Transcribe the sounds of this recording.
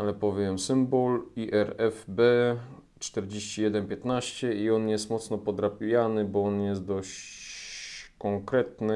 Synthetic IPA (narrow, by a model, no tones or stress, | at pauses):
alɛpɔvʲjɛmsɘmbɔliʔɛɾɛfbɛ | t͡ʂt̪ɛɾd͡ʑeɕt͡ɕijɛd̪ɛnpʲjɛt̪naɕt͡ɕɛiɔnjɛst̪mɔt̪snɔpɔd̪ɾapʲjanɘbɔɔnjɛst̪̚d̪ɔɕt͡ɕt͡ɕ | kɔŋkɾɛt̪nɘ